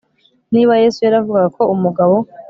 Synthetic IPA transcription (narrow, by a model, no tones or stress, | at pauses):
niːβaje̞sujaɾavuɡaɡako̞umuɡaβo̞